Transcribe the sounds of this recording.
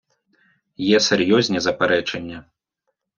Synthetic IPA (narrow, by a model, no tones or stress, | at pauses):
jɛsʲɛrjɔzʲnʲɛzɐpɛɾɛt͡ʂɐnʲːɛ